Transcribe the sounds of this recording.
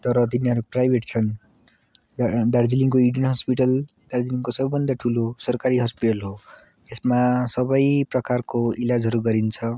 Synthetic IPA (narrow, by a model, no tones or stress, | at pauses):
t̪ʌɾʌt̪iniɦʌɾuprajbʱeʈt͡sʰʌn | d̪ard͡ziliŋkoiɽjʌnɦʌspiʈʌl | d̪̥aɾd͡ziliŋkosʌbʌbʱʌnd̪aʈʰulosʌrkaɾiɦʌspiʈʌlɦo | esmasʌbʌjprʌkarkoilad͡zɦʌɾuɡʌɾint͡sʰʌ